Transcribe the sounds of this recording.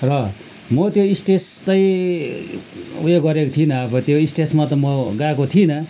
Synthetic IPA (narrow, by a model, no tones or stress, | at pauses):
rʌ | mʌt̪joisʈest̪ʌi | weɡʌɾekot̪ʰinʌʌbʌt̪joisʈesmat̪ʌmʌɡakot̪ʰinʌ